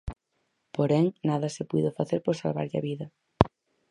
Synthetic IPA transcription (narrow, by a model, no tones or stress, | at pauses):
poɾɛŋnaðɐsɪpuðofaθeɾpoɾsalβa̰ɾʎɐ̰βiðɐ